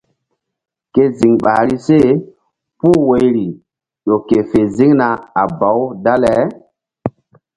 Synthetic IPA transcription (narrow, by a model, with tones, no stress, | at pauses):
ke˦zi˨ŋɓa̰ː˨ɾi˦se˦ | pu˦we˨jɾi˨ | jo˨ke˨fe˨zi˦ŋna˨a˨ba˨˦wda˦lɛ˨˦